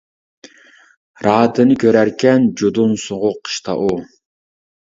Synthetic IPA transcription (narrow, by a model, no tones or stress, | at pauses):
ɾɑːt̪ʰɨnɪkʲʰøɾæɾkʲʰɛnd͡ʒod̪unsoʁʊqʰːə̥ʃt̪ʰɑ̰ʔu